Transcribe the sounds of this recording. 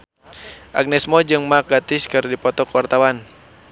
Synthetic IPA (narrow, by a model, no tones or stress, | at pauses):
ʔa̰ɡ̚nɛsmɔd͡ʒɨŋmak̚ɡat̪ɪskɨrdipɔt̪ɔkwart̪awan